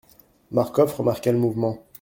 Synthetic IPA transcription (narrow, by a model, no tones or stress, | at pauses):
maʁkɔfʁəmaʁkɛləmuvmɑ̃